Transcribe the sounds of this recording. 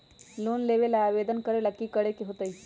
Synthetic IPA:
loːnleːʋelaaːʋeːd̪ənkəɾelɐkːikəɽekeɦot̪əi

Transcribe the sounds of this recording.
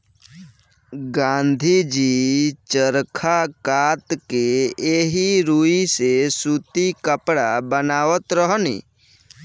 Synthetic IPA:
ɡãːnd̪ʱid͡ʒiːt͡ʃəɾkʰakaːt̪keeːɦiɾuːisesuːt̪ikəpɽabənaːwət̪ɾəɦnḭː

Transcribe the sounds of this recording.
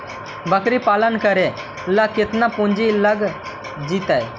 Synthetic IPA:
bəkɾipaːlənkəɾe | lakɪt̪napũnd͡ʒiləɡ | d͡ʒit̪aj

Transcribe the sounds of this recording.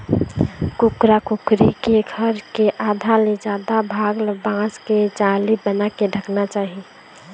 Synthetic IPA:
kʊkɾakʊkɾikeɡʱəɾkeʔaːd̪ʱaled͡ʒjaːd̪abʱaːɡlbãːsked͡ʒaːlibənakeɖʱəknat͡ʃaːɦi

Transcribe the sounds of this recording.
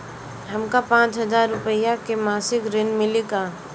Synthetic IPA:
ɦəmkapãːt͡ʃɦəd͡ʒaːɾːʊpəjakemaːsɪkɾɪnmɪlikaː

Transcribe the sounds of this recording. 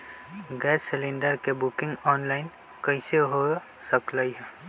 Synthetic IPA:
ɡɛːsːɪlẽːɳɖəɾkebʊkɪ̃ŋɡɔːnlaːɪn | kəɪseɦo | səklaiɦɛː

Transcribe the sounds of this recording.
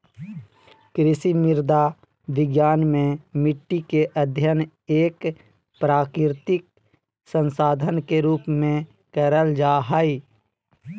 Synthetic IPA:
kɾɪsimɪɾd̪a | ʋɪɡjaːnmẽmɪʈːikeʔəd̪ʱjən | eːk | pɾaːkɾɪɾt̪ɪk̚ | sə̃nsaːd̪ʱənkeɾuːpmẽ | kəɾəld͡ʒaːɦaːiː

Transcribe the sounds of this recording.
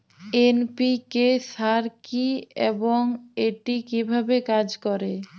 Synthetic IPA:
enpikesaɾkiḛboŋeʈikibʱabekad͡ʑkɔɾe

